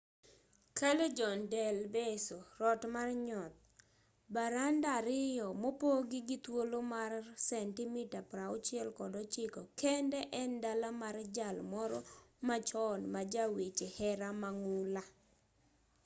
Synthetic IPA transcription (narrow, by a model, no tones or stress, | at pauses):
kaled͡ʒɔndɛlbesoɾɔtmarɲɔt̪̚ | baɾandaɾɪjɔmopoɡɪɡɪt̪wolomarsɛntɪmɪtapɾaɔt͡ʃɪɛlkɔdɔt͡ʃɪkɔkɛndɛʔɛndalamard͡ʒalmɔɾɔmat͡ʃɔnmad͡ʒawit͡ʃehɛɾamaŋʊla